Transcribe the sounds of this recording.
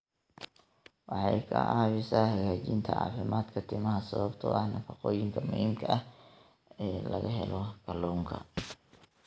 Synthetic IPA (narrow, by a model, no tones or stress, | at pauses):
wɑħɑjkʰɐ̰ʔɑːβɪsaːhɐɣaːt͡ʃint̪ʰɐ̰ʕɑ̰ːfɪmaːd̪kʰɐt̪ʰɪmɐɦɐsɐβɐbt̪ʰɔ̰ʔɐhnɐfɑqɔːjɪŋkʰɐmʊhiːmkʰɐʔɐh | ɛːlɐɣɐɦɛ̰lɔkʰɐlɔwŋkʰɐ̰